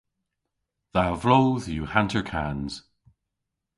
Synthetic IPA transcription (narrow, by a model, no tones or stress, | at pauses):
ðawvlowðjuːhãntəɹkʰanz̥